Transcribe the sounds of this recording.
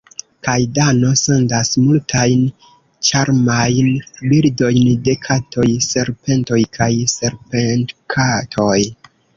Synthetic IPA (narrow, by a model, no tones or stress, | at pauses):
kajdano̞se̞ndasmultʰajn | t͡ʃaɾmajnbildo̞jnde̞kʰatʰo̞jse̞ɾpe̞nto̞jkʰajse̞ɾpentkʰatʰo̞j